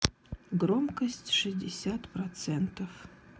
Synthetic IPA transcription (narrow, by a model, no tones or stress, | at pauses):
ɡromkɐsʲtʲʂɨzʲdʲɪsʲat̪prot̪sɛnt̪ʰɐf